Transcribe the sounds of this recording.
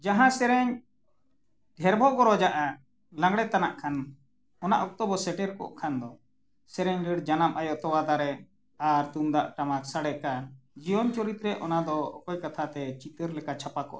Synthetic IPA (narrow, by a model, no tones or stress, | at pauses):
d͡ʒaɦãsɛɾɛɲ | ɖʱɛɾbʱɔɡɔɾɔd͡ʒaʔa | lãŋɡɽɛt̪anaʔkʰan | ɔna̰ʔɔk̚t̪ɔbɔsɛʈɛɾkɔ̰ʔkʰand̪ɔ | sɛɾɛɲɖəɽd͡ʒanamʔajɔʔt̪ɔwad̪aɾɛ | aɾt̪umd̪aʔʈamaksaɽɛkad͡ʒijɔnt͡ʃɔɾit̪ɾɛʔɔnad̪ɔɔ̰kɔjkat̪ʰat̪ɛt͡ʃit̪əɾlɛkat͡ʃʰapakɔ̰ʔa